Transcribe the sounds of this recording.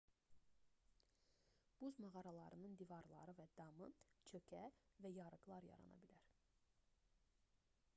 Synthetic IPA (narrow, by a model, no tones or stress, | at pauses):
b̥uzmɑʁɑɾɑlˠɑɾɯnɯnd̪ivɑɾlˠɑ̰ɾɯvæd̪̥ɑmɯt͡ʃʰøcʰævæjɑɾɯɡlˠɑɾjɑ̰ɾɑ̰nɑ̰bilæɾ